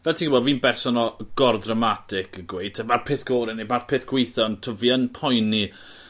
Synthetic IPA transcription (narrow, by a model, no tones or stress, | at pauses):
vɛlˠtʰiɡʊbɔdviːnbɛrsɔnɔɡ̥ɔrðramatʰɪkʰəɡwejd̚tʰəmarpʰeːθɡ̥oːɾɪnimarpʰeːθɡ̥wejθɔɔntʰɔvjənpʰɔjni